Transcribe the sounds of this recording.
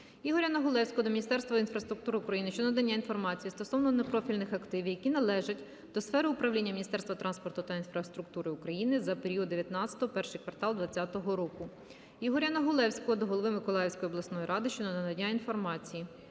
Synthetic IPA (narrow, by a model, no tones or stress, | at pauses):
jiɦɔɾʲɐnɔɦʊlˠɛwsʲkɔɔd̪ɔmʲinʲist̪ɛrst̪ʋɐinfɾɐst̪ɾʊk̚t̪uɾɪʊkɾɐjinɪʃt͡ʃɔnɐd̪ɐnʲːainfɔrmɑt͡sʲijist̪ɔsɔwnɔne̞pɾɔfʲilʲnɪxɐkt̪ɪʋʲjɐkʲinɐlˠɛʒɐtʲ | d̪̥ɔsfɛɾɪʊpɾɐʋlʲinʲːɐmʲnʲist̪ɛrst̪ʋɐt̪ɾɑnspɔrt̪ʊt̪ɐinfɾɐst̪ɾʊk̚t̪uɾɪʊkɾɐjinɪzɐpeɾʲiɔd̪d̪eʋʲjɐt̪nɑt͡sʲɐ̥t̪ɔɦɔpɛrʃɪjkʋɐrt̪ɑlˠd̪ʋɐt͡sʲːat̪ɔɦɔɾɔkʊ | jiɦɔɾʲɐnɔɦʊlˠɛwsʲkɔɔd̪ɔɦɔlˠɔʋɪmɪkɔlˠɑjwsʲkɔjɔb̪lˠɐsnɔjiɾɑd̪ɪʃt͡ʃɔnɐnɐd̪ɐnʲːainfɔrmɑt͡sʲiji